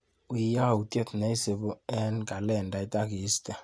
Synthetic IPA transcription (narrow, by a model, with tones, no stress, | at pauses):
u˨i˨ja˦˨u˨tɛ˦t̪na˨˦i˦se˨βo˦ɛ˦nka˨lɛ˨nda˨i˦ta˦ki˨˦sta˨